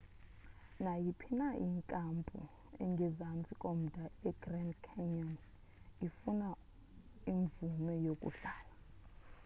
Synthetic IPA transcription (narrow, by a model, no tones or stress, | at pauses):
najipʰinaʔiŋkʼampʼṵ | ɛ̰ŋɡʱɛzant͡sʼikʼom̩dʱaɛɡ̥rɛndkʰɛɲɔn | ifuna | iɱvumɛjokʼṵɬaːla